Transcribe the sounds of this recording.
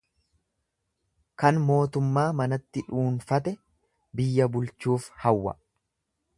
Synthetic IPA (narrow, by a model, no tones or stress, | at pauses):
kɐnmo̞ːt̪ʊmːaːmɐnɐt̪ːɪᶑuːnfɐt̪ɛ | bɪjːɐbʊlt͡ʃuːfhɐwːɐ̰